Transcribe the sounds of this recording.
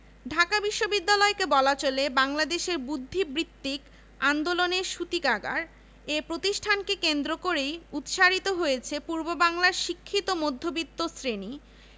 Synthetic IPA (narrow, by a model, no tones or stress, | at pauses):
ɖʱakabiʃːobid̪ːalɔekebɔlat͡ɕolebaŋlad̪eʃeɾbud̪ʱːibɾit̪ːik | and̪oloneɾʃut̪ikaɡa̰ɾ | epɾot̪iʃʈʰankekend̪ɾokoɾejut̪ʃaɾit̪oɦojet͡ɕʰepuɾbobaŋlaɾʃikʰːit̪omod̪ʱːobit̪ːosɾeni